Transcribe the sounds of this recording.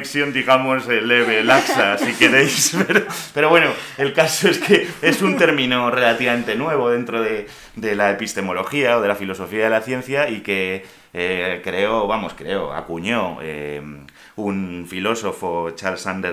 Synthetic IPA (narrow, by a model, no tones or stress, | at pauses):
ksjo̞nd̪iɣ̞amo̞sele̞βe̞laksasike̞ɾe̞jspeɾope̞ɾo̞βwenoe̞lkaso̞e̞ske̞e̞sunt̪e̞ɾmĩnore̞lat̪iβame̞nt̪e̞nwe̞β̞o̞ð̞e̞nt̪ɾo̞ðe̞ | d̪e̞lae̞pist̪e̞mo̞lo̞xiao̞ð̞e̞lafilo̞so̞fiaðe̞laθje̞n̟θjaike̞ | ekɾe̞o̞βamo̞skɾeo̞̰a̰kuɲo̞ḛm | unfilo̞so̞fo̞t͡ʃaɾlsand̪e